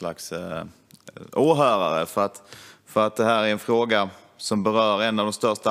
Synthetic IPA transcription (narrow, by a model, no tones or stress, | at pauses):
la̰ks | oːɦœːɾa̰ɾə̰fœɾat̪fœɾat̪̚d̪ɛɦæːɾæɾɛnfɾoːɡa | sɔmbɛɾœːɾɛnːavd̪ɔmst̪œʂta